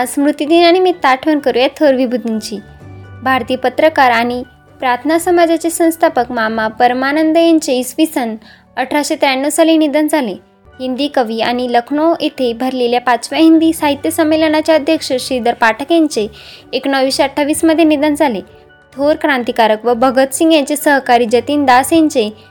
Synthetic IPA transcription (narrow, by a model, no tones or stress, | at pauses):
asmɾut̪id̪inaɽ̃imit̪aʈʰʋənkəɾujat̪ʰəɾʋibʱud̪ʱiɲt͡ɕiː | bʱaɾt̪ijəpət̪ɾəkaɾaɽ̃i | pɾat̪ʰnasəmad͡zat͡sesə̃w̃st̪ʰapəkmamapəɾmanənd̪əjaɲt͡seisʋisən | əʈʰɾaɕet̪ɾaɳːusalinid̪ənd͡zʱale | ɦind̪iːkəʋiːañiləkʰɳoet̪ʰebʱəɾleljapat͡sʋjaɦind̪iːsaɦit̪jəsəmːelənat͡ɕjaəd̪ʱjəkʂəɕid̪əɾpaʈʰəkeɲt͡seːknəʋʋiɕeəʈʰːaʋiːsməd̪ʱjenid̪ənd͡zʱale | t̪ʰoɾkɾãnt̪ikaɾəkʋəbʱəɡət̪siŋɡjat͡sesəɦkaɾid͡ʑət̪iːnd̪aseɲt͡se